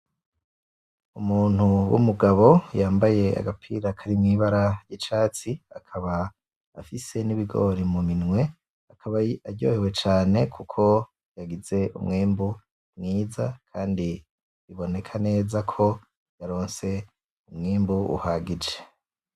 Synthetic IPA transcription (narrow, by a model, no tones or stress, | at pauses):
umuːn̥huwṵmuɡaβo̞jaːmbaje̞a̰ɡapʰḭɾakʰaɾimŋiːβaɾajit͡ʃaːt͡siakʰaβaː | fise̞niβiɡo̞̰ɾimuminŋwe̞ | akʰaβaaɟo̰hewe̞t͡ʃaːne̞kʰukʰo̞ | jaɡize̞ʔṵmŋiːmbu | mŋiːzakʰaːndi | iβo̞ne̞kʰane̞ːzakʰo̞ | jaɾo̞ːnse̞ | umŋiːmbuṵhaːɡid͡ʒe̞̥